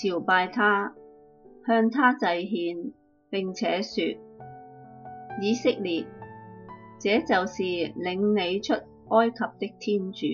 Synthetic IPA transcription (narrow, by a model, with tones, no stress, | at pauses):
t͡sʰiː˨˩wpaː˧jt̪ʰaː˥ | hœː˧ŋt̪ʰaː˥t͡sɐ˧jɦiː˨˧n | pɪ˨ŋt͡sʰɛ̰ː˨˥syː˧t̚ | jiː˨˧sɪ˥k̚liː˨t̚ | t͡sɛː˨˥t͡sɐ˨wsiː˨˩lɪ˨˧ŋne˨˧jt͡ʃʰɵ˥t̚ | ʔɔː˥jkʰɐ˨p̚t̪ɪ˥k̚t̪ʰiː˥nt͡ʃyː˨˦